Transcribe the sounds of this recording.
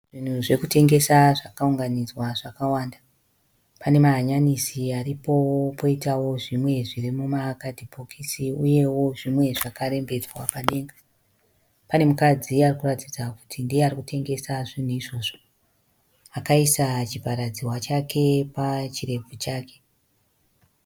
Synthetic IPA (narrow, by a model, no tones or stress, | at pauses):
ʐ̥in̤uʐe̞kute̞ŋɡe̞saʐakauŋɡanid͡zwaʐakawaːnda | pane̞maɦaɲanisiaripo̞po̞itawo̞ʐimwe̞ʐirimumakadʱibʱokʰisiuje̞wo̞ʐimwe̞ʐakaɾembe̞d͡zwapaɗe̞ːŋɡa | pane̞mukad͡ziarikuratid͡zaku̥tʰindiearikute̞ŋɡe̞saʐinuiʐo̞ːʐo̞ | akaisat͡ʃipaɾad͡ziwat͡ʃakʰe̞pat͡ʃire̞b͡vut͡ʃaːke̞̥